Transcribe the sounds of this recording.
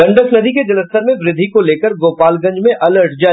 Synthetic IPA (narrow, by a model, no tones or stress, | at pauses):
ɐ̃ɳɖəsnɐd̪iked͡ʒɐləst̪əɾmẽʋɾɪd̪ʱːikoleːkəɾɡoːpaːlɡɐ̃ɲd͡ʒmẽʔɐləɾʈd͡ʒaː